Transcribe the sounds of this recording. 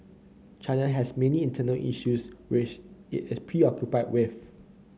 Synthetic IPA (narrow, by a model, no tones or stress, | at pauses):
t͡ʃãɪnaɦɛsmɛniĩntʰənəlʔḭʃuswɪt͡ʃɪ̰tɪspʰɹiɔkjupaɪd̚wɪθ